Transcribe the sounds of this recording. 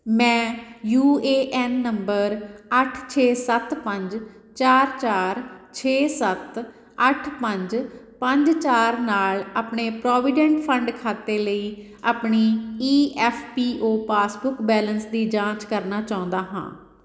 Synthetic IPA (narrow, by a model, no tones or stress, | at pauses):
mɛ̃ːjuːeːʔɛːnːəmbəɾəʈʰt͡ʃʰeːsət̪pəɲd͡ʒ | t͡ʃaːɾt͡ʃaːɾt͡ʃʰeːsət̪ | əʈʰpəɲd͡ʒpə̃ɲd͡ʒt͡ʃaːɾnaːlaːpɳeːpɾɔːʋɪɖɛ̃ɳʈpʰəɳɖkʰaːt̪eːləiː | aːpɳiːiːʔɛːfʰpiːʔoːpaːsbʊkbɛːlənsd̪iːd͡ʒãːt͡ʃkəɾnaːt͡ʃaːʊ̃nd̪aːɦã̰ː